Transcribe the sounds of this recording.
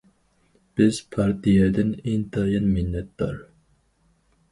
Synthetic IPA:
b̥ɪz̥pʰɑɾt̪ʰijɛd̪ɪneŋt̪ʰɑjɑnmɪnːɛt̪̚d̪ɑ̰ɾ

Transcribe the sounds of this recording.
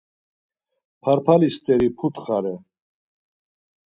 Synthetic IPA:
pʰaɾpʰalist̪ʼɛɾipʰut̪ʼχaɾɛ

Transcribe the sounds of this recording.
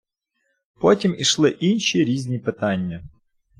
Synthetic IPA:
pɔtʲimiʃlˠɪʔinʲʃiɾʲizʲnʲipɪt̪ɑnʲːɐ

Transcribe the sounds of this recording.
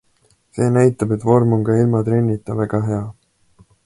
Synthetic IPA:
se̞ːnæjt̪ːˑɑbe̞t̪ːˑvo̞rmoŋɡɑilmɑt̪ɾe̞nʲːit̪ːˑɑvæɡɑɦe̞ɑ

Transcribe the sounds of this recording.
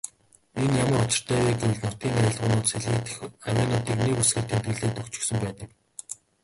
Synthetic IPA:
enjamə̆rʊt͡ɕɪ̆r̥t̪ʰœːeːɡemɮnʊt̪ʲiːŋaɾʲăːɮʁʊːnʊːt̪seɮɣɘːt̪xawʲæːnʊːt̪iːknikusɡɘ̆kt̪ʰem̥t̪ɡɘ̆ɮeːkt̪ɵkt͡ɕɪ̆ksɘ̆mpæːt̪ə̆k

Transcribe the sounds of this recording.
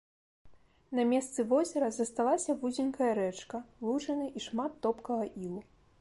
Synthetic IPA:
nɐmʲɛst̪sɨvɔzʲɐɾɐzɐst̪alˠasʲɐvuzʲinkɐjɐɾɛt͡ʂkɐlˠut͡ʂɐnɨʔiʂmat̪ːɔpkɐɣɐʔilˠu

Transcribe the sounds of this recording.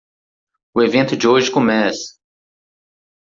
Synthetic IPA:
ʊevẽnt̪ʊd͡ʒɪoʒɪkomɛsɐ̥

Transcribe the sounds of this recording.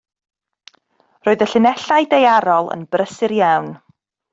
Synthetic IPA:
roːɨðəɬɪnɛɬajdejaɾɔlˠə̰nbrəsɪɾjawn

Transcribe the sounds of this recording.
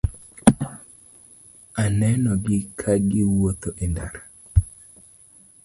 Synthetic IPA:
anɛnɔɡɪkʰaɡɪwot̪oʔenda̰ɾa

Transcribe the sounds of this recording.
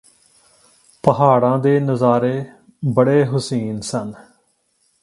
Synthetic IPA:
pəɦaːɽãːd̪eːnəzaːɾeː | bəɽeːɦʊsiːnsən

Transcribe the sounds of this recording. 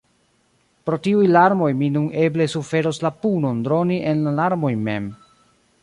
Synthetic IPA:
pɾo̞tiujlaɾmo̞jminune̞ble̞sufe̞ɾoslapuno̞ndɾo̞niʔe̞nlalaɾmo̞jme̞̰m

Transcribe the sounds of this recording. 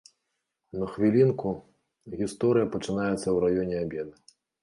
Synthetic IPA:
nɐxvʲilʲinku | ɣʲist̪ɔɾɨjɐpɐt͡ʂɨnajɛt̪sːɐwɾajɔnʲɛabʲɛd̪ɨ

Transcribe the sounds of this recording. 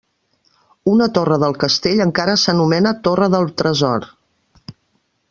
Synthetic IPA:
unət̪orəðəlˠkəst̪eʎəŋkaɾəsənumɛnət̪orəðəlˠt̪ɾəzɔɾ

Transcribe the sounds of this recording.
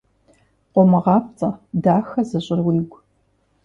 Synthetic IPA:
qʷɔmɐʁɑːpt͡sʼɐdaːxɐzɐɕʼɪrwiːɡʷ

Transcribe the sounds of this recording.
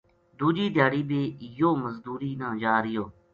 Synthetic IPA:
d̪uːd͡ʒiːd̪ʱjaːɽiːbiːjoːməzd̪uːɾiːnãːd͡ʒaːɾɪjoː

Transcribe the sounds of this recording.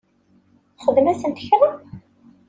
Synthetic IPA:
χəðmæsənt̪əçɾəm

